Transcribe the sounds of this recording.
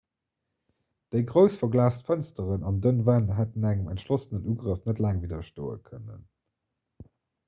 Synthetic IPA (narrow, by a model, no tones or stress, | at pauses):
d̥əɪɡʁəʊsfɐɡlaːstfənstəʁənɑndənvænɦætənæŋəmæntʃlosənənuːɡʁəfnətlæːŋvidɐʃto̰ːə̰kʰənən